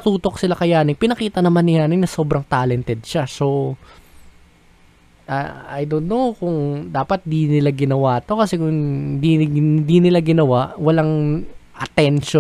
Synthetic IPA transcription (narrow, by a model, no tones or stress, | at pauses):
ɐt̪uːt̪o̞k̚sɪlakɐjaːnɪŋpɪnɐkiːt̪ɐnɐmanːɪjaːnɪŋnɐso̞ːbɾɐŋt̪aːlɛnt̪ɛd̪̚ʃaso̞ | ʔa̰a̰jd̪olnokʊŋd̪aːpɐt̪̚d̪inɪlaɡɪnɐwaːt̪o̞kɐsɛkʊŋnd̪ind̪inɪlaɡɪnɐwaʔwɐlaŋʔɐt̪ɛnʃo